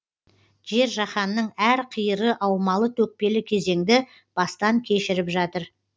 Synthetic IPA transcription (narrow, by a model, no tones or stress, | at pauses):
ʒe̞ɾʒɑχɑnːəɴæɾqʰijəɾəʔɑwmɑlˠət̪ʰɵk̚pe̞lɪkʲʰe̞ze̞ŋd̪ɪ | b̥ɑst̪ɑŋkʲʰe̞ʃɪɾɪpʒɑt̪əɾ